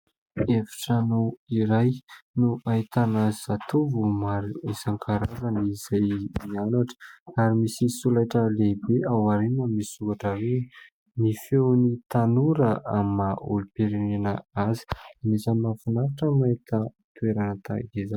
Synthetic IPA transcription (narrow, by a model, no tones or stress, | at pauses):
efi̥ʈ͡ʂanowiɾajnuʔait̪anəz̥at̪uvumaɾuisaŋkʰaɾazəniz̥ajmianaʈ͡ʂə̥aɾimisisulajʈ͡ʂəlebeawaɾenəmisuɡaʈ͡ʂəwe | mifewnit̪anuɾəʔamːaʔulupeɾinenəazi̥anisəmafunaɾaʈ͡ʂəmait̪ə | t̪ueɾanət̪a̰ɡeza